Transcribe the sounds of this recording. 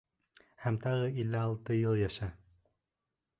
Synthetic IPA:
hæmt̪ɑʁɤilːɘɑlˠt̪ɤjɤlˠjæʃæ

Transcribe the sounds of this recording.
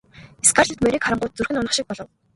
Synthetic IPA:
eskʰarɮə̆t̪meɾʲiːkχaɾə̆ɴɢʊːt̪̚t͡surxɘ̆nɔnə̆χʃɪ̆k̚pɔɮɞ̆w

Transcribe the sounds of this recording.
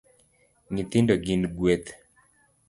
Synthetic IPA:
ŋɪt̪ɪndoɡinɡwet̪

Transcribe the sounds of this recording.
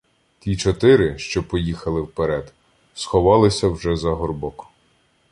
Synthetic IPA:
tʲit͡ʃɔt̪ɪɾɪʃt͡ʃɔpɔjixɐlˠɪwpeɾɛd̪ | sxɔʋɑlˠɪsʲɐwʒɛzɐɦɔrbɔkɔ̥

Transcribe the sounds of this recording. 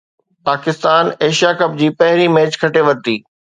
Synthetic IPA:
paːkɪst̪aːneːʃijakɐp̚d͡ʑiːpɐɦɪɾimeːt͡ɕkʰɐʈeʋɐt̪iː

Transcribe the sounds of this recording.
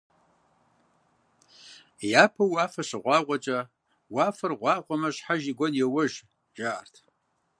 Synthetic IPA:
jaːpʰɐwaːfɐɕɨʁʷɑːqʷʼɔt͡ʃʼɐ | waːfɐrʁʷɑːqʷʼɔmɐɕħaʒiɡʷɔnjɛwɐʒ | ʒ̥aːrtʰ

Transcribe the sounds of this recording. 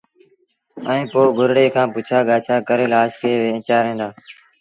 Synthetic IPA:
əẽːpoːɡʱʊɾɽeːkʰãːpʊt͡ʃʰaːɠaːt͡ʃʰaːkəɾeːlaːʃkeːʋeːɪ̃t͡ʃaːɾẽːnd̪aː

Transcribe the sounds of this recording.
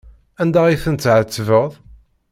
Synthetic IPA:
ænd̪æiθənt̪ːʕət͡sːvəʁðˤ

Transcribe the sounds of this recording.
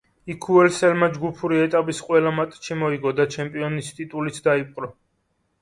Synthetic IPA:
ikʰuɛlsɛlmad͡ʒɡupʰuɾiɛt̪ʼapʼisqʼwɛlamat̪ʼʃimɔiɡɔd̪at͡ʃʰɛmpʼiɔnist̪ʼit̪ʼulit̪sʰd̪aipʼqʼɾɔ

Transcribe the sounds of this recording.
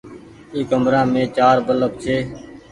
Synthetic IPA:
eːkəmɾãːmẽːt͡ʃaːɾbələb̚t͡ʃʰeː

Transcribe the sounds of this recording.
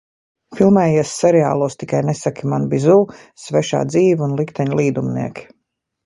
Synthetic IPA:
filˠmɛːjiɛsːɛɾɛa̰ːlˠuːst̪ikajnɛsakʲimanbizuː | svɛʃa̰ːd̪ziːvunlˠikt̪ɛɲlˠiːd̪umnḭɛkʲ

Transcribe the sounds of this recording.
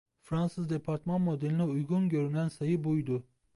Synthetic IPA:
fɾansɯzd̪epʰaɾt̪ʰmanmo̞d̪elʲiniujɡunɟø̞ɾynænsajɯbujd̪u

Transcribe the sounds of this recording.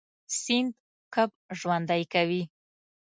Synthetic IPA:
sɪnd̪ | kəb | ʒwand̪ajkawi

